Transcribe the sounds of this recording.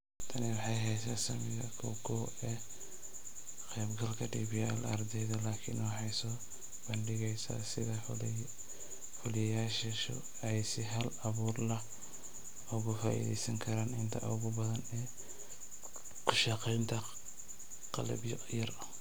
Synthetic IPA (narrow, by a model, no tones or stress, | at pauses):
t̪ʰɐnɛwɑħɑjɦɛjsaːsɐmɪɣɐkʰɔ̰ːɡʰɔw | ɛː | qɛːbɡɐlkʰɐɖiːbiɛlɐrd̪ɛjðɐlaːkʰɪ̰nwɑħɑjsɔː | b̥ɐnɖɪɣɛjsɐ̰sɪðɐ | fʊlɪjaːʃɐʃʊ̰ | ɛjsɪɦɐlɐβuːrlɐh | ʊɣʊfaːʔḭðɛ̰jsɐŋkʰɐɾaːnɪnt̪ʰɐ̰ʔʊɣʊbɐðɐnɛː | kʰʊʃɑqɛjnt̪ʰɐ | qɑ̰lɐ̰bjɔ | jɐr